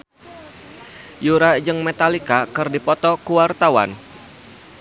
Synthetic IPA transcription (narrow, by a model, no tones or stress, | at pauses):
juɾad͡ʒɨŋmet̪alikakɨrdipɔt̪ɔkuwart̪awa̰n